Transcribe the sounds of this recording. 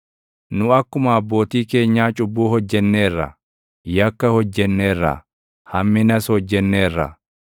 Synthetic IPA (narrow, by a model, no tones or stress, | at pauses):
nʊɐkːʊmɐːbːo̞ːt̪iːke̞ːɲːaːt͡ʃʼʊbːuːhɔd͡ʒːɛnːe̞ːrːɐ̰ | jɐkːɐhɔd͡ʒːɛnːe̞ːrːɐ̰ | hɐmːɪnɐshɔd͡ʒːɛnːe̞ːrːɐ̰